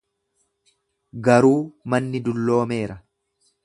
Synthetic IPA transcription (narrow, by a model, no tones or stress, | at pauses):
ɡɐɾuːmɐnːɪd̪ʊlːo̞ːmeːɾɐ